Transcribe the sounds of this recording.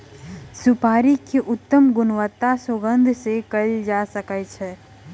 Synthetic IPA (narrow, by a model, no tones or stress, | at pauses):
sʊpaːɾikeʔʊt̪ːəmɡʊnʋət̪ːasoɡə̃nd̪ʱsekəid͡ʒasəkət͡ʃʰɛ